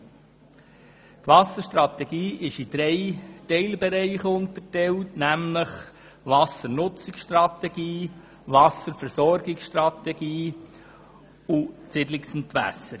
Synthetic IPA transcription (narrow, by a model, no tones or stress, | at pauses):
t̪ʋɑsəɾʃtɾɑt̪ɛɡiːɪʃɪd̪̥ɾɛɪtɛɪlbɛɾɛɪχʊnt̪ətɛwtnæmləχ | ʋɑsəɾnʊt͡sɪksʃtrɑt̪ɛɡiː | vɑsəɾfɛɾsɔɾɡɪksʃtrɑt̪ɛɡiː | ʊt͡sɪdlɪksnt̪ʋæ̰səɾ